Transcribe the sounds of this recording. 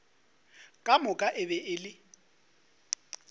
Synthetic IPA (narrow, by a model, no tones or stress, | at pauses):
kʼamʊkʼaʔɪbɛʔɪlɪ